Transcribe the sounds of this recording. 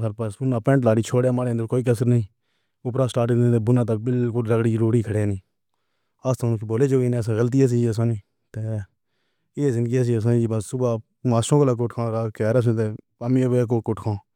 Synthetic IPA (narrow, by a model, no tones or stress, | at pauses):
bəɾpəsbʊnaːpɛ̃ːɳʈlaːɽiːt͡ʃʰoːɽeːmãːɾeːənd̪əɾkoːiːk̬əs̬əɾnəĩː | ʊpɾaːsʈaːɾʈɪẽːt̪eːbʊnãːt̪aːbɪlkʊlɾəɡɽiːzəɾuːɾiːkʰəɽeːnĩː | aːst̪ʰãːnːkiboːleːd͡ʒoːɡiːnẽːəs̬ãːɣəlt̪iːas̬iːd͡ʒəs̬ãːnĩː | t̪eː | eːzɪnd̪ɡiːaːs̬iːəs̬ãːnĩːibəssʊbaː | maːsõːkoːlaːk̬ʊʈkʰãːɾaːkɛːɾaːs̬ẽːt̪eː | amiːʋeːkoːkʊʈkʰãː